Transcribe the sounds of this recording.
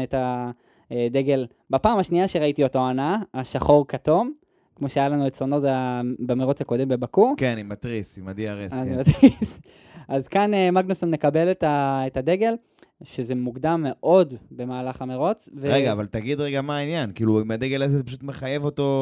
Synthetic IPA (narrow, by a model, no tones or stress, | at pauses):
eta | de̞ɡe̞l | bapaːmaʃniaʃeʁaitio̞to̞anaːʃaχo̞ʁkato̞m | kmo̞ʃeajalanuetsono̞tabameʁo̞t͡sako̞de̞mbe̞bakukenanimat̪ʁisimadiaʁeanimat̪is | ʔazkanemaɡnusomne̞kabe̞letaetade̞ɡe̞l | ʃeze̞muɡd̪amːe̞ʔo̞dbe̞maːlaχameʁo̞t͡sveʁeɡaːvalt̪aɡid̪ʁeɡamaːinjankiːlumeadeɡelazezepaʃut̪me̞χajevo̞to̞